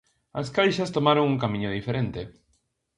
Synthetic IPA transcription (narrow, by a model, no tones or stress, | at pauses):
askajʃɐst̪omaɾõŋuŋkamĩɲʊðifeɾent̪e